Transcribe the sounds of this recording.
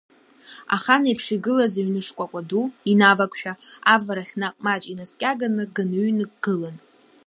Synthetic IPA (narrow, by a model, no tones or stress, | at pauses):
a̰χanaipʰʂiɡɨlazaɥnɨʂkʷʼakʷʼaduinavakʷʰʼʃᶣaavaɾaχʲnaqʼmat͡ʃʼinaskʲʼaɡanɨɡɨnɥnɨɡʼɡɨlan